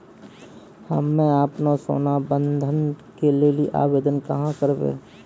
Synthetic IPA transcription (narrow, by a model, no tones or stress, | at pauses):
hə̰mːɛ̃aːpnaso̰ːnabə̃nd̪ʱənkelelieʔa̰ːʋeːd̪ənkɐɦãkəɾbḛː